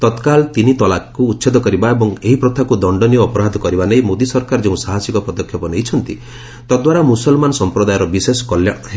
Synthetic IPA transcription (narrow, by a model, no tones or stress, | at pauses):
t̪ɔt̪kalt̪init̪ɔlakuːt̪ːʃed̪ɔkɔɾibaebɔŋeɦipɾɔt̪ʰakud̪ɔɳɖɔnijɔːpɔɾad̪ʱɔkɔɾibanejmod̪isɔɾkaɾɔd͡ʒeũsaɦasikɔpɔd̪ɔkʰjɔpɔnejt͡ʃʰɔnt̪i | t̪ɔd̪waɾamusɔlmanɔsɔmpɾɔd̪ajɔɾɔbisesɔ̥kɔljaɦe